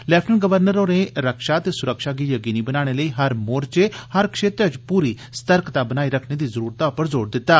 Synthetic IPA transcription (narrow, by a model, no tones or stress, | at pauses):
lɛːpʰʈənɡəʋəɾnəɾoːneːɾəkʃaːt̪eːsʊɾəkʃaːɡiːjəkiːniːbənaːɽ̃eːləiːɦəɾmoːɾt͡ʃehəɾkʰʃeːt̪ɾt͡ʃpuːɾiː | st̪əɾkt̪aːbənaːiːɾəkʰneːd̪iːzəɾuːɾt̪aːʊpəɾzoːɾd̪ɪt̪ːaː